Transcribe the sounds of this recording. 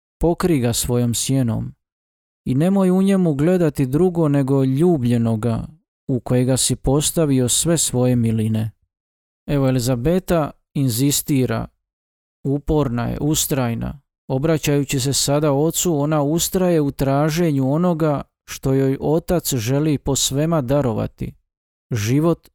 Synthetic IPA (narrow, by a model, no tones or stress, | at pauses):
po̞kɾiɡasʋo̞jo̞msjeno̞̰m | ine̞mo̞juɲe̞muɡle̞d̪at̪id̪ɾuɡo̞ne̞ɡo̞ʎuːbʎe̞no̞ɡa | uko̞jeɡasipo̞st̪aʋio̞sʋe̞sʋo̞je̞miline̞ | e̞ʋo̞elizabe̞t̪a | inzist̪iːɾa̰ | upo̞ɾnajḛʔust̪ɾaːjna̰ | o̞bɾat͡ɕajut͡ɕis̬e̞sad̪ao̞t̪suo̞naust̪ɾaje̞ut̪ɾaːʒe̞ɲuo̞no̞ɡa | ʃt̪o̞jo̞jʔo̞t̪at̪sʒe̞lipo̞sʋe̞mad̪aɾo̞ʋa̰t̪ḭ | ʒiʋo̞t̪